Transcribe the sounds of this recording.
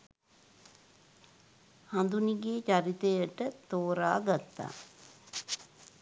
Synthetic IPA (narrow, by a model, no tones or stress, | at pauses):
hand̪uniɡeːt͡ʃaɾit̪ejəʈət̪oːɾaːɡat̪ːa̰ː